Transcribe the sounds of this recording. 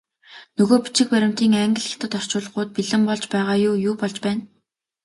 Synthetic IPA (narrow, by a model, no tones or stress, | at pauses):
nɵɣoːpi̥t͡ɕɪ̆k̚pæɾʲɪ̆m̥t̪iːŋæŋɡɘ̆ɮxi̥xt̪ə̆t̪ɔr̥t͡ɕʊːɮ̆χʊːt̪̚piɮɘ̆mpɔɮt͡ɕpæːʁaːjʊːjuːpɔɮt͡ɕpæːn